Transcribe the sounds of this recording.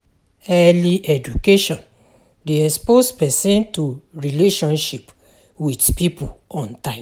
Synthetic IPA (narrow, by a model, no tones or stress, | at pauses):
ɛliʔɛd͡ʒukeʃɔ̃n | deɛkspospɛsɛ̃ntuɹileʃɔ̃nʃip | widpipuɔ̃ntãɪ̃